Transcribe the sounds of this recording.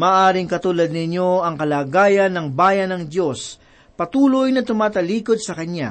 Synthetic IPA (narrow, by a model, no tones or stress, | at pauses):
maːʔaːɾɪŋkɐt̪uːlɐd̪̚nɪɲjo̞ɐŋkɐlaːɡaːjɐnːɐŋbaːjɐnɐŋd̪jo̞s | pɐt̪uːlojnɐt̪ʊmaːt̪ɐliːkod̪̚sɐkɐnja̰